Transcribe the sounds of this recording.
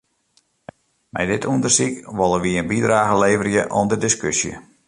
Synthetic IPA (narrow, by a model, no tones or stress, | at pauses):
mɛ̰jdɪtʰundərsikʋolˠəʋiənbidraːɣəleːvərjəʔɔ̰ndədɪskøsjə̰